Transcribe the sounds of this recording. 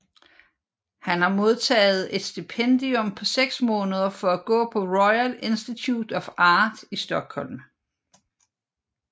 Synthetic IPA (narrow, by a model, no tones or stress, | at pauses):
hænhɑ̈mo̝ð̞ˠt͡sʰɛ̰ːð̞̩ˠe̝d̥sd̥ipʰend̥iɔ̽mpʰɒ̽seɡ̥smɔ̽ːnəð̞ˠɐfɒ̽æɡ̥ɔ̰̽ːpʰɒ̽ʁɒɪæle̝nsd̥it͡sʰud̥ɒ̽fɑ̈ːd̥isd̥ɒ̽ɡ̥hɒ̽l̰m